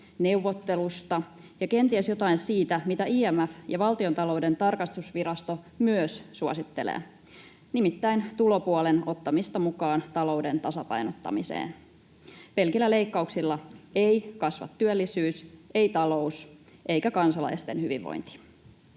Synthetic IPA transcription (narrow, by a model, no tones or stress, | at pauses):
ne̞uʋːot̪ːelust̪ɑ | jɑke̞nt̪iæsjo̞t̪ɑinsiːt̪æmit̪æʔiːæmæfjɑʋɑlt̪io̞nt̪ɑlo̞ude̞nt̪ɑrkɑst̪usʋiɾɑst̪o̞ | myøsːuɑsit̪ːe̞̰lḛː | nimit̪ːæint̪ulo̞puoleno̞t̪ːɑmist̪ɑmukɑːnt̪ɑlo̞wde̞nt̪ɑsɑpɑ̰jnot̪ːɑ̰misḛːn | pe̞lkilːæle̞ikːɑuksilːɑeikɑsʋɑ̰t̪ːyølːisyːsʔeit̪ɑlo̞usʔe̞ikækɑnsɑlɑ̰ist̪enhyʋḭʋːo̰jnt̪i̥